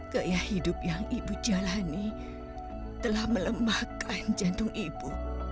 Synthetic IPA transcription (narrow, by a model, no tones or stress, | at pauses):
kəʔjahidʊp̚jaŋibud͡ʒalani | t̪əlahmələmahkʰand͡ʒant̪ʊŋʔibu